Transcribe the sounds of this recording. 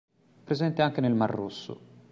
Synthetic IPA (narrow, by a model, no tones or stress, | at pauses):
pɾezɛnt̪eaŋk̟enelmarːusːṵ